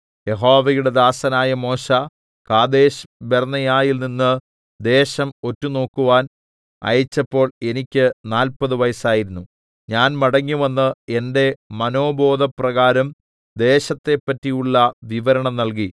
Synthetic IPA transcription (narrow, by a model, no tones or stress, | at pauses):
je̞ɦo̞ːʋɐjuɽe̞d̪aːsɐnaːjɐmo̞ːɕɐ | kaːd̪e̞ːɕbernɐjaːjilninːɨ | d̪e̞ːɕɐmo̞tːuno̞ːkːuʋaːn | ɐ̰jɐt͡ɕːɐpːo̞ːɭe̞nikʲːɨnaːlpɐðɨʋɐjɐsaːjiɾunːu | ɲaːnmɐɽɐŋːuʋɐnːɨe̞nde̞mɐno̞ːbo̞ːd̪ɐprɐɣaːɾɐm | d̪e̞ːɕɐt̪ːe̞pːɐtːijuɭːɐʋiʋɐɾɐɳɐmnɐlk̬i